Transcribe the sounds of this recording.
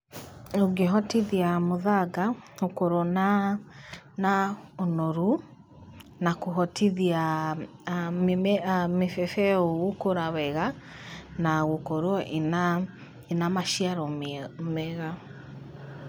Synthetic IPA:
oɡeɦɔtiðiamoðaɡaokoɾona | naonɔɾu | nakoɦɔtʰiðia | mefɛfɛoɣokoɾaβɛɣa | naɣokoɾɔʔena | enamaʃiaɾɔmmɛɣa

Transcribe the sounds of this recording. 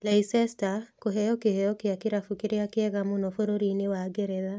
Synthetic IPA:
lɛisɛstakoɦɛjɔkehɛjɔkeakeɾafukeɾeakeɛɣamunɔfoɾoɾinewaɡeɾɛða

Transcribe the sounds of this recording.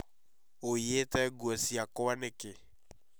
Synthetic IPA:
ojetɛɡɔsiakɔwanekɪ

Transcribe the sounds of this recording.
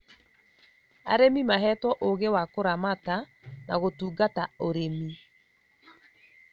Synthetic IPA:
a̰ɾemimaɦɛtwɔʔoɣewakoɾamata | naɣotuːɡataoɾemi

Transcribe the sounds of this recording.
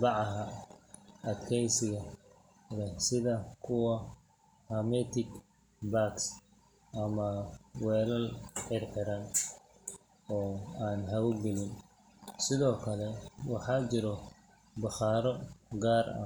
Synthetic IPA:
bɑʕɑɦɐ | ɐt̪kʰɛjsɪɣɐ | lɛsɪðɐkʰʊwɐ | hɐmɛt̪ʰɪɡ | baks | ʔɐmɐwɛːlɐlħɪrħɪɾɐn | ɔːaːnɦɐwʊɡɛlɪn | sɪðɔːkʰɐlɛwɑħɑːt͡ʃɪɾɔ | bɑχɑːɾɔɡaːrɐ̰

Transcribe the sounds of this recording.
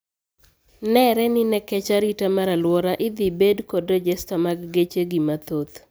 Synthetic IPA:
nɛɾɛnɪnɛkɛt͡ʃaɾitamaɾalwɔɾaʔɪd̪ɪbedkodɔd͡ʒɛstɔmaɡɡet͡ʃeɡimat̪ot̪

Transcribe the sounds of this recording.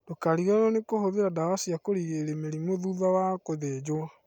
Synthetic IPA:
d̥okaɾiɣanɔnekohoðeɾadawasiakoɾiɣeɾemeɾimoðuðawakoðed͡ʒo

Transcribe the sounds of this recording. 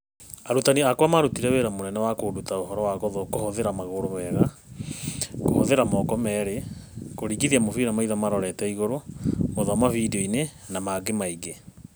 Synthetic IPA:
aɾutaniakwamaɾutiɾɛweɾamonɛnɛwakodutaoɦɔɾɔwaɣɔðɔkohɔðeɾamaɣoɾomɛɣa | kohɔðeɾamɔːkɔmɛːɾekoɾiːɣiðiamoviɾamaiðamaɾɔɾɛtɛiɣoɾomoðamaviːdɔinenamaɡemaiɡe

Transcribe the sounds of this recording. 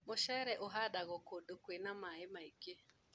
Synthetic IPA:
moʃɛɾɛʔoɦadaɣɔkodokwenamaɪmaiɡe

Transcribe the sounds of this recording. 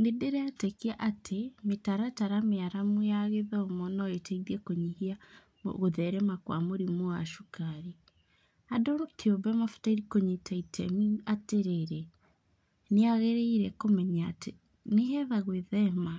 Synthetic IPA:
nedeɾeatekeaʔatʰemetaɾataɾameaɾamwejaɣeðaomɔnɔetʰɛiðiɛkoɲihia | o̰ɣoðɛɾɛmakwa̰moɾimoa̰ʃukaɾi | adokʰeobɛmafu̥taiɾikoɲitʰaitʰɛmiateɾeɾe | neaɣeɾeiɾɛkomɛɲaːte | neɦɛðaɣweðɛma

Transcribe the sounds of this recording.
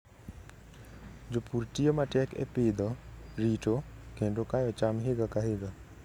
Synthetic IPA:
d͡ʒopuɾʈijomaʈekḛpiːd̪ɔɾiːʈokʰẽɖokajet͡ʃamɦiɡakaɦiɡa

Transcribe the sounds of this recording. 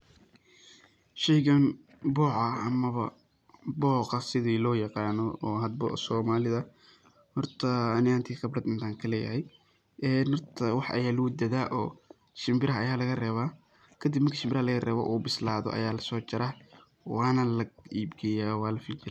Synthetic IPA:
ʃɛjɣɐn | bɔːʕɐɐmɐβɐ̰ | bɔːqɐsɪðiːlɔːjɑqɑːnɔɔːɦɐd̪̚bɔ̰sɔːmaːlɪðɐ | hɔrt̪ʰɐːnɪhɐnt̪ʰiːxɐbrɐd̪ɪnt̪ʰaːŋkʰɐlɛ̰ːjɐ̰ɦɛj | ɛːnhɔrt̪ʰɐwɑħʔɐ̰jaːlʊwd̪ɐðaːʔɔː | ʃɪmbɪɾɐɦɐɐjaːlɐɣɐrɛːβaː | kʰɐd̪ɪbmɐrkʰiʃɪmbɪɾɐhɐlɐɣɐrɛ̰ːβɔ̰ʔuːbɪslaːðɔ̰ʔɐ̰jaːlɐsɔːt͡ʃɐɾa | wɑːnɐlɐiːbɡʰɛjaːwaːlɐfit͡ʃɪɾɛ

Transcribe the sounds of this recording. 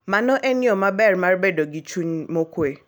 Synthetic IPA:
manɔʔɛnɪɔmabɛrmaɾbedoɡɪt͡ʃuɲmokwe

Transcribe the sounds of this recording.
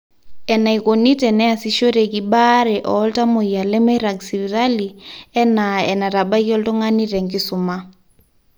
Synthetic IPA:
ɛnaikonitʼɛnɛasiʃoɾekiɓaɾɛʔɔltʼamoialɛmaɾaɡsiβiɾaliɛnaɛnaɾaɓakiɔltɔŋaniɾɛŋkisuma

